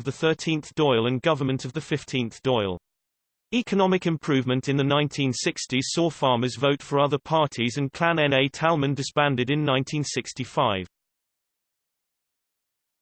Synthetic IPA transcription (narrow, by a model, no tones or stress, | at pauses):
vðəθɜˑtʰĩnθd̥ɔɪlˠə̃nɡʌvəmə̃ntʰəvðəfɪftʰĩnθd̥ɔɪlˠ | iˑkʰənɒmɪkɪ̃mpʰɹ̥ʉːvmə̃ntɪ̃nðənãɪ̃ntʰĩnsɪkstiz̥sɔːfɑːməzvəʊtfəɹʌðəpʰɑˑtʰizə̃nkʰl̥ãnɛ̃neɪtʰalˠmə̃ndɪspæ̃ndɪdɪ̃nːãɪ̃ntʰĩnsɪkstifaɪv